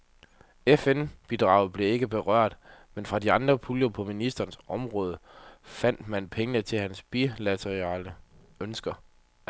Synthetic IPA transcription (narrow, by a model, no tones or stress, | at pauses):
efenb̥id̥ʁɑ̈ʊ̰b̥le̝e̝ɡ̥əb̥e̝ʁɶɐ̰d̥menfʁɑ̈diɑ̈nd̥ʁɐpʰuljo̝pʰɔ̽minisd̥ɐːnsɒ̽mʁɔ̽ːð̞ˠəfæn̰d̥mænpʰeŋənət͡sʰe̝lɦænsb̥ilæt͡sʰeʁiɑlə | ønsɡ̥ɐ